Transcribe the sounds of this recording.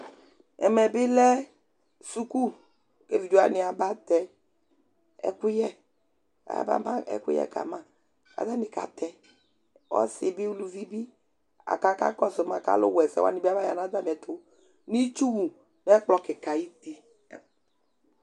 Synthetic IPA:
ɛ̰˨mɛ˨bɪ˦lɛ˦ | su˦ku˦ | ke˦vi˨d͡ʒu˦a˦nɪ˨a˨ba˦t̪ɛ˨ | ɛ̰˦ku˦jɛ̰˦˨ | ba̰˦a˦ɛ̰˦kṵ˦jɛ̰˦˨ka̰˨mã˦˨ | a̰˨da˦nɪ˨ka̰˨t̪ɛ˦ | wɔ̰˦sɪ˨bi˦wu˦lu˨vi˦bi˦ | a̰˨ka˦ka̰˦kɔ˦se˨ma˨ka̰˨lo̰˦wɛ˨sɛ̰˨wa̰˦nĩ˨˦bi˦a˦ba˦ja̰˨nã˦d̪a˦bɛ˨t̪ʰo˦ | ni˦t͡ʃu˦wu˨ | n˦ɛ˦k͡plɔ˦ke˨ka˨ji˦t̪i˦˨

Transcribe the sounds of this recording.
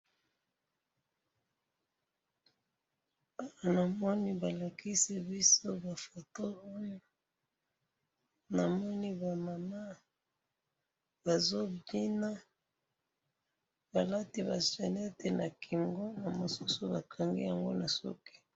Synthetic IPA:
a˨wa˨na˨mɔ˦ni˦ba˨la˨kʰi˦si˦bi˦so˦ba˨fo˨to˦o˦jo˦ | na˨mɔ˦ni˦ba˨ma˨ma˦ | b̥a˨zo˦bi˦na˦ | ba˨la˦ti˦ba˨se˨ne˦te˨na˨kʰi˨ŋɡo˦na˨mo˨su˦su˦ba˨kʰa˨ŋɡḭ˦ja˨ŋɡo̰˦na˨sṵ˦ki̥˦

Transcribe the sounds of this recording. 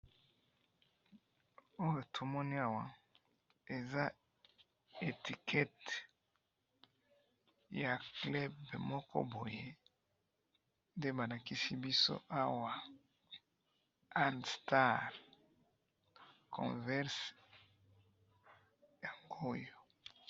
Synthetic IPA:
o˦jo˨tʰo˨mɔ˦ni˦a˨wa˨ | e˨za˦ | e˨ti˨kʰɛ˦t | ja˨klɛ˦bmɔ˦kɔ̰˦bo˨je˦ | nde˦ba˨la˨ki˦si˦bi˦so̰˦ʔa˦wa˨ | a˦ndsta˦˨ʁ | kʰɔ̰̃˨vɛ˦ʁs | ja˨ŋɡo˦jo˨

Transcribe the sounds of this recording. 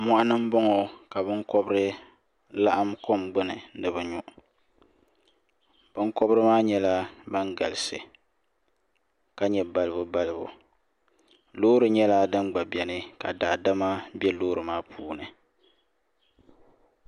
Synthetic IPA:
mɔ˦ʔa˦nɨ˦m̩˦bɔ˦ŋo˨ka˨bɨ˦ŋkɔ˦bɨ˦ɾɨ˦ | la˦ʔa˦mko˦mɡ͡bɨ˦nɨ˨˦nɨ˨bɨ˨ɲʊ˨ʔ | b̥ɨ˦ŋkɔ˦bɾɨ˦maː˦ɲɛ˦la˦ba˦ŋɡa̰˨lɨ˨sɨ˨ | ka˦ɲɛ˨ba˨lɨ˨bʊ˦ba˦lɨ˨bʊ̰˨ | loː˦ɾɨ˨ɲɛ˦la˦dɨ˦nɡ͡ba˨bɛ˨nɨ˦ka̰˨daː˨da˦ma˦bɛ˦loː˦ɾɨ˨maː˦pʰuː˦nɨ˨

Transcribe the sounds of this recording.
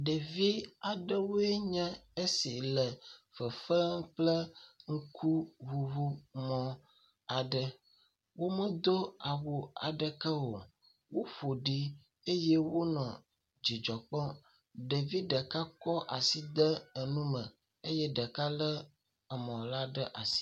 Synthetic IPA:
ɖə˨vi˦a˨ɖə˦wo˦e˦ɲɛ̃˦e˦si˨lə˨fə˨fə˦ŋ̩˦k͡plə˦ŋ̩˦kʰu˦βu˨βu˦mɔ̃˦ | a˨ɖə˨ | wo˦mə˦d̪o˦a˨wo˨a̰˨ɖə˨kə˦wo˨ | wo˦ɸo˨ɖi˦ | e˦je˦wo˦nɔ̃˨ | d͡ʑi˨d͡ʒɔ˨k͡pɔ˦ | ɖə˨vi˦ɖə˨ka˦kɔ˦ʔa˨si˦d̪ə˦ə˨nũ˦mə̃˨ | e˦jɛ˦ɖə˨ka˦lə˦ | ə˨mɔ̃˨la˦ɖə˦ʔa˨si̥˦

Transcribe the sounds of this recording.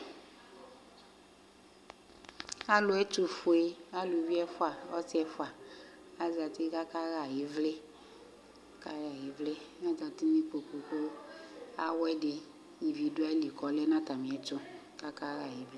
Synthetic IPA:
a˦lʊ˨ɛ˦t͡ʃu˨fu˨e˦a˦lu˨˦vi˦ɛ˦fʊ˦a˨ɔ˦si˦ɛ˦fa˨ | a˦za˨ti˦ka˦ka˦ɣa˨ji˨˦vle˦ | ka˦ja˨ji˨˦vle˦m˦a˦za˨ti˦mi˦k͡po˨k͡po˨k͡po˦ | a˦wɛ˦de˨ | i˨vi˨du˦a˦li˨kɔ˨lɛ˦nã˦ta˨mĩ˨ɛ˨t͡ʃʊ˦ | ka˦ka˦ɣa˨ji˨˦ve˦

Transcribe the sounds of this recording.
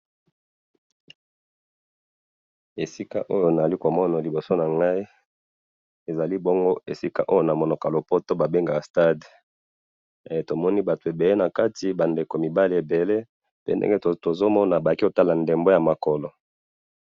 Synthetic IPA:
e˨si˦ka̰˦ʔo˦jo˨na˨li˦ko˨mɔ˦na˨li˨bo˨so˦na˨ŋɡa˦i˦ | e˨za˨li˦bo˦ŋɡo˦e˨si˦ka˦ʔo˦jo˦na˨mo˨nɔ˨klo˨po˦to˦ba˨be˦ŋɡa˨sta˦d | to˨mɔ˦ni˦ba˨tu˨e˨be˨le˦na˨ka˦ti˨ba˨nde˨ko˨mi˨ba˦li˨e˨be˨le˦ | pe˦ndḛ˦ŋɡe˦to˨zo˦mɔ˦na˨ba˨a˨ki˦ko˨ta˦la˨nde˨mbo˦ja˨ma˨kɔ˨lɔ˨

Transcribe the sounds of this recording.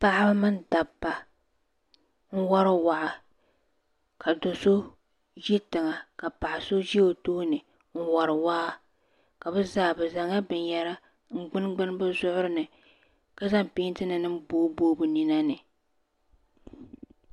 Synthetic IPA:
pa˦ʔɪ˦ba˦mɨ˦nda˨bːa˨ | ŋ̩˦wa˦ɾɨ˦wa˨ʔa˨ | ka˨do˨so˦ | ʒi˦tɨ˨ŋa˨ka˨pa˨ʔa˨so˦d͡ʒi˦o˨toː˦nɨ˨ | ŋ̩˦wa˨ɾɨ˨wa˦a˦ | ka˨bɨ˦zaː˨bɨ˨za˨ŋa˦bɨ˨njɛ˦ɾa˦ | ŋ̩˦ɡ͡bɨ˦nɡ͡bɨ˦n˦bɨ˦zʊ˦ʔʊ˦ɾɨ˦nɨ˨ | ka˦za˦m˨piː˦n˦tɨ˦nɨ˨nɨ˦mboː˦boː˦bu˨ni˨na˦nɨ˨

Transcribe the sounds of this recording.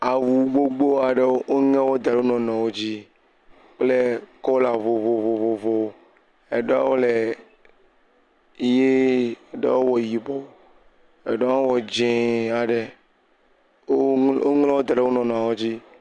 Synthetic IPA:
a˨wu˨ɡ͡bo˦ɡ͡bo˦a˨ɖe˦wo˦ʔo˦ŋɛ̃˦wo˦d̪a˨ɖe˦o˦nɔ̃˨nɔ̃˨wo˦d͡ʑi˦ | k͡ple˦kɔ˦la˨vo˨vo˨vo˨vo˨vo˨o˦ | e˨ɖe˦a̰˦wo˦le˨ | je˦˨ɖɔ̰˦wo˦wɔ˨ji˨bɔ˦ | e˨ɖɔ˦a˦wo˦wɔ˨d͡ʒẽ˨a˨ɖe˨ | o˦o˦ŋlɛ˦wo˦d̪a˨ɖe˦o˦nɔ̃˨nɔ̃˨a˨wo˦d͡ʑi˦

